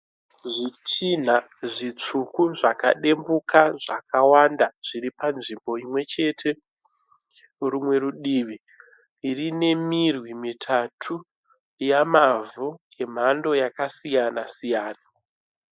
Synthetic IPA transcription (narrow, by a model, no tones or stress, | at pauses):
ʐitʰin̤a | ʐit͡ʂukuʐaka̰ɗe̞mbukaʐakʰawandaʐ̥iɾipanʐimbo̞imwe̞t͡ʃe̞tʰe̞ | rumwe̞ɾuɗiːʋi | irine̞mirwimitʰatʰu | jamavu | e̞m̤ando̞jakasijanasijaːna